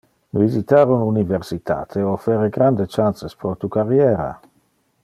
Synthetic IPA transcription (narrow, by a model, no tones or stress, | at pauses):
vizit̪aɾonuniveɾsit̪ʰa̰ːt̪ʰeofeɾeɡɾand̪et͡ʃansespɾot̪ukaɾjɛːɾa̰